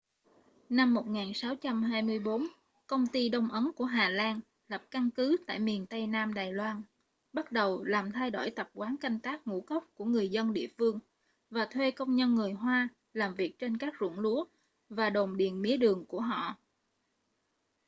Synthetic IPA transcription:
na˧mːo˨˩t̚ŋaː˨˩nsaː˨˦wt͡ɕa˧mɦaː˧jmɨ˧əjɓo˨˦n | kə˧wŋ͡mt̪i˧ɗə˧wŋ͡mʔə˨˦nku˧˩əɦaː˨˩laː˧n | lə˨˩p̚ka˧nkɨ˨˦t̪a̰ː˧˨jmi˨˩ənt̪ə˧jnaː˧mɗaː˨˩jlwaː˧n | ɓa˦˥t̚ɗə˨˩wlaː˨˩mt̪ʰa˧jɗo̰˧˩jt̪ə˨˩p̚kwaː˨˦nka˧jŋ̟t̪aː˦˥k̚ŋṵ˧˥kə˦˥wk͡p̚ku˧˩əŋɨ˨˩əjzə˧nɗḭ˧˨əfɨ˧əŋ | vaː˨˩t̪ʰwe˧kə˧wŋ͡mɲə˧nŋɨ˨˩əjɦwaː˧ | laː˨˩mvi˨˩ək̚t͡ɕe˧nkaː˦˥k̚zʊ̰˧˩nlu˨˦ə | vaː˨˩ɗo˨˩nɗi˨˩ənmḭ˨˦əɗɨ˨˩əŋku˧˩əɦɔ̰˧˨

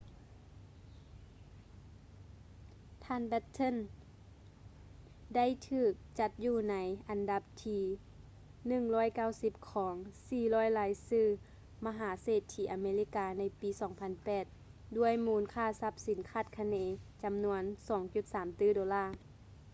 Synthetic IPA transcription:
t̪ʰaː˧˨nbɛ˧˥t̪ʰːo˧˥˨n | da˥˨jt̪ʰɯː˧˩k̚t͡ɕa˧˦t̪̚juː˧˩na˧˦˥jʔa˨nda˧˦p̚t̪ʰiː˧ | nɯ˧˩ŋlɔː˧˥˩jka˥˩wsi˧˦p̚kʰɔː˩˨˦ŋsiː˧˩lɔː˧˥˩jlaː˨˧˦jsɯː˧˥˩ | ma˧ɦaː˩˦seː˧˩t̪ʰːiː˧˩ʔa˨˧˦meː˧li˧˩kaː˧na˧˥jpiː˨˧˦sɔː˨˩˦ŋpʰa˧˥npɛː˨˩t̪̚du˧˥˩əjmuː˧˦nkʰaː˧˥˩sa˧˦p̚si˨˦nkʰaː˧˥˩t̪̚kʰa˧neː˧˦t͡ɕa˨˦mnu˧˥ənsɔː˨˩˦ŋt͡ɕu˧t̪̚saː˨˩˦mt̪ɯː˧˥˩doː˨˧˦laː˧˥˩

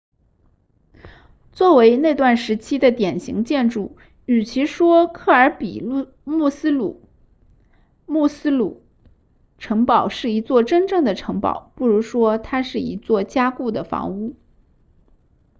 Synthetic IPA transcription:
t͡swɔ˥˩we˧˥ɪne˥˧ɪt̪wa˥˩nʂɻ̩˧˥t͡ɕʰi˥d̪ə˨t̪jɛ˨˩nɕḭ˧˥ŋt͡ɕjɛ˥˧nʈ͡ʂu˥˩ | y˨˩t͡ɕʰi˧˥ʂwɔ˥kʰɤ˥˩ə˞˧˥pi˨˩ | mu˥˩sɹ̩˥lu˨˩ | mu˥˩sɹ̩˥lu˨˩ | ʈ͡ʂʰɤ˧˥ŋpɑ˨˩ʊʂɻ̩˥˩i˧˥t͡swɔ˥˩ʈ͡ʂə˥nʈ͡ʂɤ˥˩ŋd̪ə˩ʈ͡ʂʰɤ˧˥ŋpɑ̰˨˩˦ʊpu˥˩ɻu˧˥ʂwɔ˥t̪ʰa˥ʂɻ̩˥˩ḭ˧˥t͡swɔ˥˩t͡ɕja˥ku˥˩d̪ə˩fɑ̰˧˥ŋu˥˩

